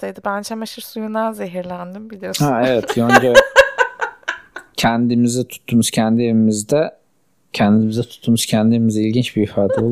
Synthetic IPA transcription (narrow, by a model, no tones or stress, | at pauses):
t̪ejd̪ibænd͡ʒʰɛmaʃɯɾsujunaze̞ɦiɾlʲænd̪imbilʲijohaevɛt̪jonɲd͡ʒa | cʰænd̪imizɛt̪ʰu̥t̪ʰːumuz̥cʰænd̪ieimizd̪ɛ | cʰænd̪iimizɛt̪ʰu̥t̪ʰːumuz̥cʰænd̪ieɾimizɛilʲɟint͡ʃbiifaːd̪ɛolˠ